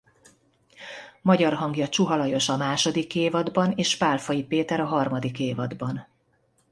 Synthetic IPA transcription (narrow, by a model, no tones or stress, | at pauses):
mɒɟɒrɦɒŋɡjɒt͡ʃuɦɒlɒjo̞ʃɒmaːʃo̞d̪ikːeːvɒd̪bɒneːʃpaːlfɒjipeːt̪ɛɾɒɦɒrmɒd̪ikeːvɒd̪bɒn